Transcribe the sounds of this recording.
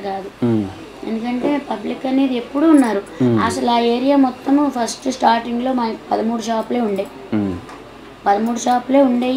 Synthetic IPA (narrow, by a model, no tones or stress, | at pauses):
kaːd̪u | e̞nd̪ukɐɳʈe̞ːpɐblikːɐnːiːd̪ie̞pːuɽuːnːaːɾuɐ̰sɐlaːe̞ːɾijaːmɔt̪ːɐmpʰɐsʈsʈaːɾʈiŋɡlo̞ːmɐnɐki̥pɐd̪ɐmuːɽuʃaːpuleːuɳɖeːj | pɐd̪ɐmuːɽuʃaːpule̞ːuɳɖeːj